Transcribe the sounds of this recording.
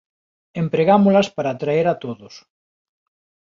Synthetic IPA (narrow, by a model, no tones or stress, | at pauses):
empɾeɣamʊlaspaɾaːt̪ɾaeɾat̪oðos